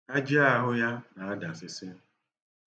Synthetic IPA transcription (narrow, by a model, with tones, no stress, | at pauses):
a˦d͡ʒi˦a˦ɦʊ˦ja˦na˨a˦da˨sɪ˦sɪ˦